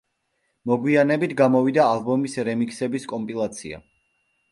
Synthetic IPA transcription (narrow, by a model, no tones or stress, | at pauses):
mɔɡwianɛbit̪ʰɡamɔvid̪aːlˠbɔmisɾɛmikʰʼsɛbiskʼɔmpʼilˠat̪sʰḭa̰